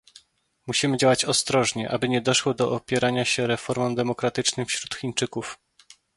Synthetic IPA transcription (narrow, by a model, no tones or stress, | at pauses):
muɕimɘd͡ʑawat͡ɕɔst̪ɾɔʐɲɛʔabɘɲɛd̪ɔʂwɔd̪ɔʔɔpʲjɛɾaɲaɕɛɾɛfɔɾmɔmd̪ɛmɔkɾat̪ɘt͡ʂnɘmfɕɾut̪xʲint͡ʂɘkuf